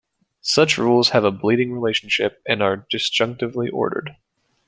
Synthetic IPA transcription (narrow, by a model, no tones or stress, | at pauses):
sʌt͡ʃɹulˠz̥ɨvəbliɾɪ̃ŋɹileɪʃn̩ʃɪ̰p̚ɨ̃nə˞dɨsd͡ʒʒ̥ʌ̃ŋk̚tɨvliʔɔ̰ɹɾə̰˞d̥